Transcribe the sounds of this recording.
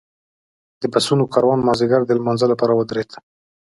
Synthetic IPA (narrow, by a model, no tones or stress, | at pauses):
d̪əbasunokʰɑɾwɑnmɑzɪɡaɾd̪əlmɑnzəlapɑɾawəd̪ɾet̪